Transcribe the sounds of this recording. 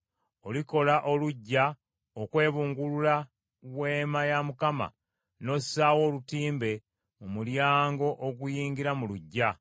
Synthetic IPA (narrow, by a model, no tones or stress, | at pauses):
oliko̞laʔo̞luɟːa | okwe̞ːβuːŋɡulula | βwe̞ːmajamukama̰ | no̞saːwo̞ːlutiːmbe̞ | omuljaːŋɡo̞ʔoɡujiːŋɡiɾamuluɟːa